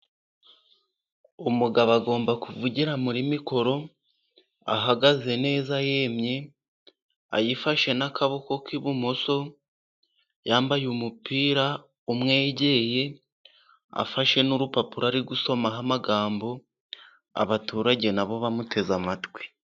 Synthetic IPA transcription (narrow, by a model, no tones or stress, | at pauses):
omuɡaβaɡo̞ːmbakuvuɟiɾamuɾimiko̞ɾo̞ | a̰ɦaɡaze̞ne̞ːzaje̞ːmɲe̞ | a̰jifaʃe̞nakaβo̞ko̞kiβumoso̞ | jaːmbajumupiːɾa | umŋe̞ːɟe̞je̞ | a̰faʃe̞nuɾupapuɾaɾiɡuso̞maɦamaɡaːmbo̞ | a̰βatuːɾaɟe̞naβo̞βamutʰe̞zamatwi̥